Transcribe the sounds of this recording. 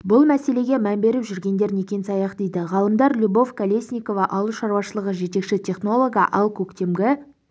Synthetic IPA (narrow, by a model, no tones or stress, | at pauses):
bʊlˠmæse̞le̞ɡʲemæmbe̞ɾɪpʒʏɾɡʲe̞nd̪e̞ɾne̞kʲe̞nsɑjɑqd̪e̞jd̪ɪʁɑlˠəmd̪ɑɾlʲubo̞vkʰalʲe̞sʲnʲijko̞vɑʔɑlˠuʃɑɾwɑʃəlˠəʁəʒe̞t̪e̞kʃɪt̪ʲʰe̞χno̞lˠo̞ɡɑʔɑlˠkʲʰɵkt̪e̞mɡʲɪ